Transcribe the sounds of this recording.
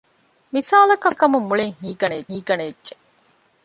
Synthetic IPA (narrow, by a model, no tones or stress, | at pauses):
misaːlɐkɐkɐmumːuɭeŋhiːɡɐneɦiːɡɐnedd͡ʒe